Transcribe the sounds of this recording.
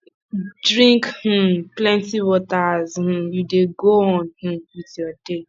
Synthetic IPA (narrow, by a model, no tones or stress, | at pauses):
dɹĩŋkh̩plɛ̃ntiwɔtazh̩judeɡoɔ̃nh̩witjɔde